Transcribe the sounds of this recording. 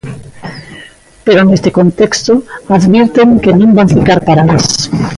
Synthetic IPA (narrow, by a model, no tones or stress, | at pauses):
peɾonest̪ɪkont̪ekst̪ʊaðβiɾt̪eŋkenũŋbaɱfikaɾpaɾales